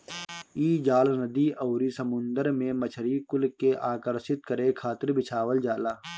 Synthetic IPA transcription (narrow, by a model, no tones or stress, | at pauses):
iːd͡ʒaːlnəd̪iːɐːɾisəmʊ̃nd̪əɾmẽmət͡ʃʰəɾikʊlkeʔaːkəɾsɪt̪̚kəɾekʰaːt̪ɪɾbɪt͡ʃʰaːʋəld͡ʒaːlaː